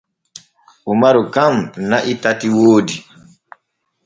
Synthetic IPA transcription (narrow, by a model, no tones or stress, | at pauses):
ʔumaɾɔkamnaʔitatiwoːdi